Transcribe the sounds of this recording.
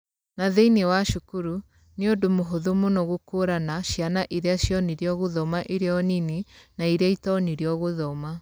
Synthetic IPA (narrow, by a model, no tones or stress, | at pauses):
naðeinewaʃukuɾu | neodomoɦoðomonɔɣokoɾanaɕjanaʔiɾeaɕjɔniɾeɔɣoðɔmaʔiɾeɔnininaiɾeaitɔniɾeɔɣoðɔma